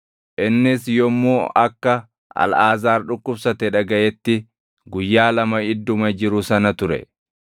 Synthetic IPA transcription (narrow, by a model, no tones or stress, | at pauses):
ʔɪnːɪsjɔmːoːɐkːɐ | ɐ̰lʔaːzaːɾᶑʊkːʊbsɐt̪ɛᶑɐɡɐʔɛt̪ːɪ | ɡʊjːaːlɐmɐɪd̪ːʊmɐd͡ʒɪɾʊsɐnɐt̪ʊɾɛ̰